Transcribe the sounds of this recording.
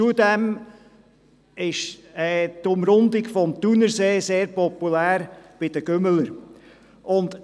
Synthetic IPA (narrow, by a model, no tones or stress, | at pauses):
t͡sudɛm | ɪʃɛtʊmɾʊnd̪ɪɡfɔmt̪unəɾseːseːɾpɔpulæːɾb̥ɪd̥əɡ̥ømələɾ | ʔʊnd̪